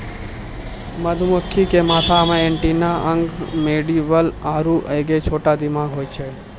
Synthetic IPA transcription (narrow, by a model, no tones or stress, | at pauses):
məd̪ʱuməkʰːikemaːt̪ʰamẽeɳʈinaʔəŋɡmeɖiʋəlaːɾuʔəjɡet͡ʃʰoʈad̪ɪmaɡɦoːjt͡ʃʰe